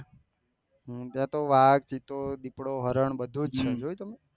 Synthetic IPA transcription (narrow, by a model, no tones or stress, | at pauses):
ɦt̪jãt̪oʋaɡ̚t͡ʃit̪od̪ipɽoɦəɾəɳbəd̪ʱud͡ʒt͡ʃʰed͡ʒojt̪əme